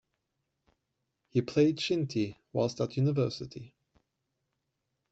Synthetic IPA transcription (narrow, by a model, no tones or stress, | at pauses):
hipʰl̥eɪd̚ʃɪ̃ntʰiwaɪlˠstətʰjʉnɪvɜˑsɪtʰi